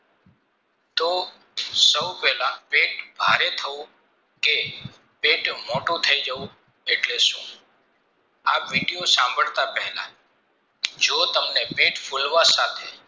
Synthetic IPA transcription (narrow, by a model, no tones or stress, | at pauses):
t̪o | səwpɛɦlapeʈbʱaɾet̪ʰəũ | ke | peʈmoʈũt̪ʰəid͡ʒəʋũ | eʈlesũː | apʋiɖijosãmbʱəɭt̪apɛɦlã̰ | d͡ʒot̪əmnepeʈfʰulʋasat̪ʰe